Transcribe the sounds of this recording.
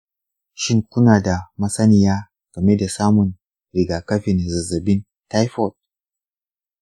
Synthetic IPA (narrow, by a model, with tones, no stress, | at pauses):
ʃi˦ŋkʷu˦naː˨da˨mɐ˦sɐ˦ni˨jaː˦ | ɡ̥ɐ˨me˦da˨saː˦mʊ˨n | ɾi˨ɡa˨kɐ˦ɸɪ˨n˨za˨zɐ˨bɪ˦n | ta˦jfɔ˦˨t̚